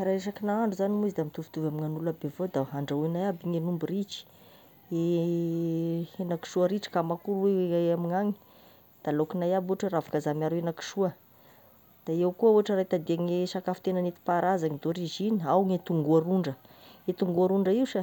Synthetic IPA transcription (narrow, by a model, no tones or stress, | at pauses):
aɾaesakinaaɳɖ͡ʐuzanimuizid̪amit̪uvu̥t̪uvamiŋanulabevod̪aɦaɳɖ͡ʐaenajabiŋenumbirit͡ʃi̥ | e | enaki̥ʃuaɾiʈ͡ʂi̥kamakuɾamiŋaŋi̥ | d̪̥alokinajabuaʈ͡ʂəravḁkazamaɾuenaki̥ʃuə | d̪̥aewkuəuaʈ͡ʂəɾait̪ad̪iaŋeʃakafit̪enanet̪i̥paɾazaŋid̪oɾiʒiniawŋet̪uŋɡuaɾuɳɖ͡ʐə | et̪uŋɡuaɾuɳɖ͡ʐəiwʃa